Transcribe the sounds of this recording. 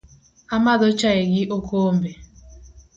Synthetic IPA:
amadot͡ʃaeɡɪʔokʰom̩be

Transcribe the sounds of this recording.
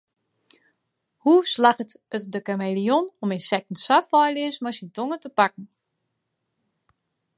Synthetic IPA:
huslaxətətdəkamelijonɔmensɛk̚tn̩safɔjlɪəsmɔsintoŋətəpak̚n̩

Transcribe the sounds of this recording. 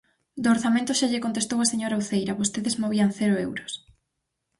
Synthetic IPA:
d̪oːɾθamẽnt̪ʊʃaʎekont̪est̪owaseɲoɾauθejɾaβost̪eðezmoβiɐnθeɾʊewɾʊs

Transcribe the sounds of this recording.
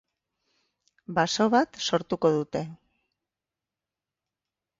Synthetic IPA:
baso̞βat̪so̞ɾt̪uko̞ðut̪e̞

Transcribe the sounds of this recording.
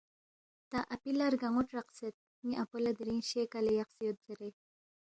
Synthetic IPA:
t̪aʔapilaɾɡaŋuʈɾaqset̪̚ | miʔapulad̪ɾinʃekalejaqsijot̪̚zaɾe

